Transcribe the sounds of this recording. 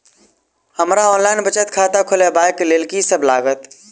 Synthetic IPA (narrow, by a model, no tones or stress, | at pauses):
həmɾaɔːnlaːɪnbət͡ʃət̪kʰaːt̪akʰʊlebaːjkleːlkisəblaːɡət̪